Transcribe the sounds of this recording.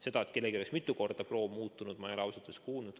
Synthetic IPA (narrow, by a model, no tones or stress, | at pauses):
se̞d̪ɑet̪̚ke̞lːekiojesmit̪ːˑuko̞rd̪̥ɑpro̞ːmuːt̪ːˑunud̪mɑjɑlɑwsɑd̪̥ˑeskuːnud̪̥